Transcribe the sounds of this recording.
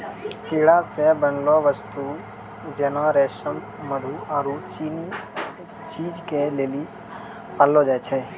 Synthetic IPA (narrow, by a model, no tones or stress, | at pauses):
piːɽasebənloʋəst̪u | d͡ʒenaɾeːʃən | məd̪ʱuaːɾut͡ʃi | t͡ʃiːd͡ʒkeleːli | palod͡ʒaːt͡ʃʰe